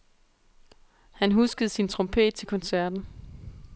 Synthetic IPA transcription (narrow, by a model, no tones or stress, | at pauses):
hænɦusɡ̥əð̞̩ˠsint͡sʰʁɔ̽mpʰe̝̰ːd̥̚t͡sʰe̝lkʰɒ̽nsæɐd̥n̩